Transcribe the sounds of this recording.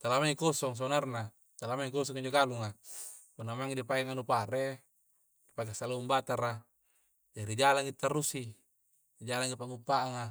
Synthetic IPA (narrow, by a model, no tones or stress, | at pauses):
t̪alamaikosɔŋs̬onarna | t̪alamaikos̬ɔŋiɲd͡ʒoɡaluŋa | punːamaŋidipakeŋanupaɾe | dipakasalaumbat̪aɾa | d͡ʒaɾid͡ʒalaŋit̪ːarusi | d͡ʒalaŋipaŋupːaʔːŋa